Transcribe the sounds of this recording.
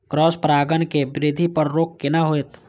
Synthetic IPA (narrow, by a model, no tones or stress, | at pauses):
kɾɔːspɾaːɡənkebɪɾɪd̪ʱipəɾɾoːk̚ːenaɦoet̪